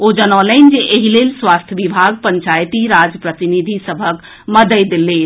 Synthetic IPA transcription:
od͡ʒənələnd͡ʒeʔeɦilelswast̪ʰjəbibʱaɡ̚pəɲt͡ʃajt̪iɾad͡ʒəpɾət̪inid̪ʱisəbʱək | məd̪əjd̪ele

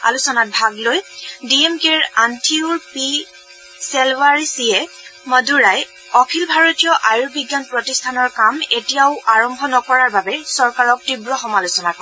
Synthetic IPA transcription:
a̰lusɔnat̚bʱaɡlojdiemkeɹantʰiuɹpi | sɛlvaɹisiɛ | məduɹaj | ɔkʰilbʱaɹɔtijɔʔajuɹbiɡjanpɹɔtistʰanɔɹkametijaʊʔaɹɔmbʱɔnɔkɔɹaɹbabɛsɔɹkaɹɔk̚tibɹɔxɔmalusɔnakɔ

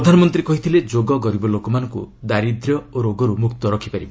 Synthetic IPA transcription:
ɾɔd̪ʱanɔmɔnt̪ɾikɔɦit̪ʰiled͡ʒoɡɔɡɔɾibɔlokɔmanɔŋkṵd̪aɾid̪ɾjɔoɾoɡɔɾumukt̪ɔɾɔkʰipaɾiba

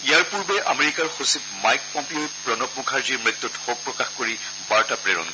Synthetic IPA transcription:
ijaɹpuɹbɛʔameɹikaɹxosipmajk̚pɔmpiojpɹɔnɔpmukʰaɹziɹmɹit̪ːɔthok̚pɹɔkaxkoɹi | baɹtapɹeɹɔ̰n

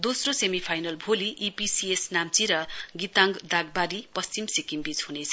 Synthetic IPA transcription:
d̪osrosemipʰajnʌlbʱoliʔːpisiesnamt͡siɾʌɡit̪aŋɡd̪aɡ̚baɾipʌst͡simsikimbit͡shunet͡sʰʌ

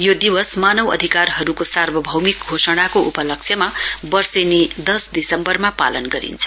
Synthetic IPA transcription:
jod̪iwʌsmanʌwʌ̰d̪ʱikarɦʌɾukosarbʱʌbʱʌwmikɡʱosʌɽ̃akoʔupʌlʌk̚t͡ʃʰjʌmabʌrsenid̪ʌsd̪isʌmbʌrmapa̰lʌnɡʌɾḭnt͡sʰʌ̥

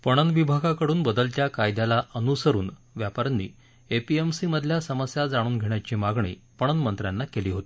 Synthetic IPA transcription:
pəɽ̃ənʋibʱaɡakəɽuːnbəd̪əlt̪jakajd̪jalaʔənusəɾuːnʋjapəɾnːḭː | epiemsiməd̪ʱljasəməsjad͡zaɽ̃uːnɡʱeɳjat͡ɕimaɡɳḭːpəɳ̃ənmənt̪ɾjanːakeliːɦot̪i̥

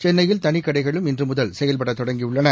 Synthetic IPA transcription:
t͡ʃɛnːɐjɪlt̪ɐnɪkːɐɽɐɪɣɐɭɯmɪndrɯmʊðɐlsɛjɐlpɐɽɐt̪ːɔɽɐŋɡiʊɭːɐnɐ

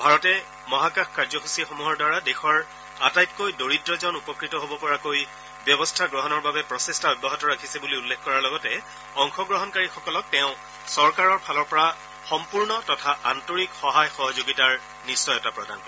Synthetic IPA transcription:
bʱaɹɔtɛ | mɔɦakaxkaɹzɔxusixomuɦɔɹdwaɹadexɔɹ | atajtkojdoɹitɹɔzɔʊnupɔkɹitɔɦobɔpɔɹakoj | bjɔbɔstʰaɡɹɔɦɔnɔɹbabɛpɹɔsestaɔjbʱaɦɔtɔɹakʰisɛbuliulːekʰkɔɹaɹlɔɡɔtɛ | ɔŋxɔɡɹɔɦɔnkaɹixɔkɔlɔk̚tɛʊ̃ | sɔɹkaɹɔɹpʰalɔɹpɔɹa | xɔmpuɹnɔtɔtʰaʔantoɹikxɔɦajxɔɦɔzoɡitaɹ | nisːɔjɔtapɹɔda̰n

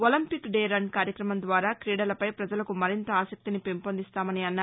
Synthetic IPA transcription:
olɐmpikɖɛːɾɐɳɖkaːɾjɐkɾɐmɐmd̪ʋaːɾaːkɾiːɽɐlɐpɐjpɾɐd͡ʒɐlɐkumɐɾint̪ɐaːsɐk̚t̪inipempond̪ist̪aːmɐniɐnːaː

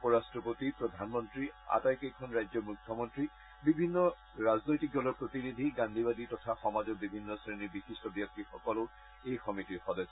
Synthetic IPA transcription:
pɔɹastɹɔpotipɹɔd̪ʱanmɔntɹia̰tajkejkʰɔnɹajzɔmukʰːjɔmɔntɹi | bibʱinːɔ | ɹaznojtik̚dɔlɔɹpɹot̪inid̪ʱiɡãnd̪ʱibad̪itɔtʰaxɔmazɔbibʱinːɔsɹenibixistɔbjɔk̚tixɔkɔlɔ | ejxɔmitiɹxɔdɔsɔ

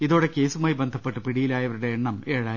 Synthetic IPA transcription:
iðo̞ːɽeke̞ːsumaːjibend̪ʱɐpːeʈːɨpiɽijilaːjɐʋɐɾuɽeeɳːɐmeːɻaː

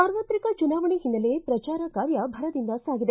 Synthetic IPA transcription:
saːɾʋɐt̪ɾikɐt͡ʃunaːʋɐɳiɦinːɐlepɾɐt͡ʃaːɾɐkaːɾjɐbʱɐɾɐd̪ind̪ɐsaːɡid̪e

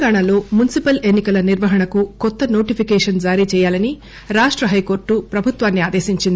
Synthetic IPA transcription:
ɡaːɳalo̞ːmunisipɐle̞nːikɐlɐniɾʋɐɦɐɳɐkukɔt̪ːɐno̞ːʈipʰikɛːʂɐnd͡ʒaːɾit͡ʃɛːjaːlɐni | ɾaːʂʈɾɐɦɐjko̞ːɾʈːupɾɐbʱut̪ʋaːnːiaːd̪eːsiɲt͡ʃind̪ii

